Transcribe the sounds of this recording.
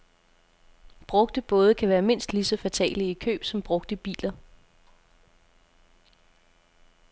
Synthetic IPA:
b̥ʁɔ̽ɡ̥d̥əb̥ɔ̽ːð̞ˠəkʰæʋæːɐme̝n̰sd̥lisɒ̽fæt͡sʰɛ̰ːləikʰø̰ːb̥sɒ̽mb̥ʁɔ̽ɡ̥̚d̥əib̥ḭːlɐ

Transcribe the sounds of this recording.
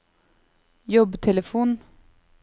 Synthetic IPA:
jɔbt̪ʰɛləfuːn

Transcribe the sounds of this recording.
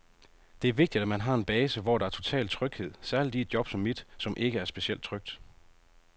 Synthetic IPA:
d̥e̝æɐʋe̝ɡ̥̚d̥id̥æmænɦɑ̈e̝nb̥ɛːsəʋɒ̰ːɾɑ̈æɐt͡sʰo̝t͡sʰɛ̰ːlt͡sʰʁœɡ̥he̝ð̰ˠsæɐlid̥ied̥d̥jɒ̽b̥sɒ̽mːid̥sɒ̽mʔe̝ɡ̥əæɐsb̥e̝ɕiel̰d̥̚t͡sʰʁœɡ̥̚d̥

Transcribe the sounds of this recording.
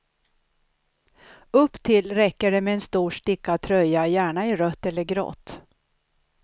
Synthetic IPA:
ɵpːt̪ʰɪlɾɛkːəɖɛmɛːnst̪uːʂʈɪkːat̪ʰɾœjːajæːɳaɪɾœt̪ːɛlːəɾɡɾɔ̰t̪ː

